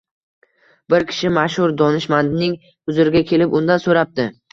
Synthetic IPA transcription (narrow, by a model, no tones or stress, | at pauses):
bɪɾkʲʰɪ̥ʃɪmaʃhʊɾd̪ɒnɪʃmand̪nɪŋ | ʊzɪɾɪɡʲakʲʰe̞lɪpʊnd̪ansoɾap̚d̪ɪ